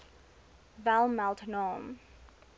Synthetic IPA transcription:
valˠmalˠtənɔːm

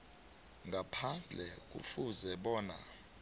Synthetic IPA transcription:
ŋɡʱapʰand͡ɮʱɛk̬ʼṵfuzɛɓɔːna̰

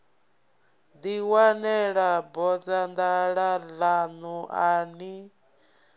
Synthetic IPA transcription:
d̪iwanɛɺabɔd͡zand̪aɺalanuʔani

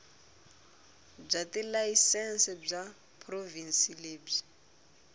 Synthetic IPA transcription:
b͡ʐatilaisɛnsɛb͡ʐa | pʰrovinsileːb͡ʐi

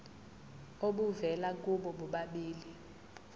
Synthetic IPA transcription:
oɓuvɛlak̬uɓɔɓuɓaɓiːli

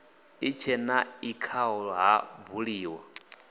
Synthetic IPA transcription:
it͡ʃʰɛnaikʰaɦɔɺɔɦabuɺiːwa

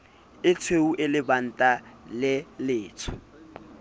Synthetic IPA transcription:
ɪt͡sʰweuʔɪlɪban̩tʼalɪlɪːt͡sʰʊ̥

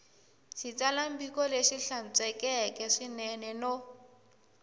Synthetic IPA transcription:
ʃit͡salambikɔleʃiɬant͡sʼɛkɛkɛʂinɛnɛno

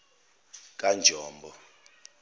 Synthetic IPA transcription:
k̬ʼand͡ʒʱɔːmbʱɔ

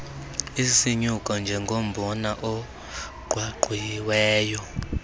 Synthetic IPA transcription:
isiɲukʼɔnd͡ʒʱɛŋɡʱom̩bɔnaʔɔ | ɡ̥ʱwaɡ͡ǃʱujiwɛːjɔ

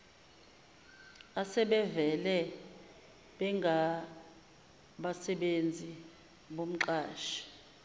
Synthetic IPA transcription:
asɛɓɛvɛlɛ | ɓɛŋɡʱa | ɓasɛɓend͡zʱi | ɓom̩ǃaːʃi̥

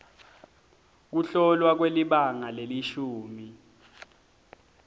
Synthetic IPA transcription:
k̬uɬɔlwak̬weliɓaŋaleliʃuːmi

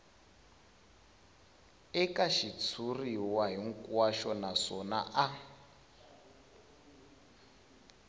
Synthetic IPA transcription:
ɛkʼaʃit͡sʰuriwaɦiŋ̩kʼwaʃɔnasɔna̰ʔa

